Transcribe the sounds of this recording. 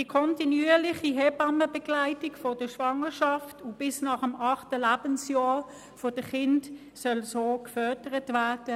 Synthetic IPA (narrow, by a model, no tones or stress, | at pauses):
d̥ikʰɔntinyːlɪχiɦɛbɑməbɛɡ̥laɪtiɡfɔd̥əʃʋɑŋəʃɑftʊb̥ɪsnɑːχəmɑχtəlæːb̥ənsjɑː | fod̥əχɪnt | sœlsoːkfœɐdəʁətvæːɐd̥ə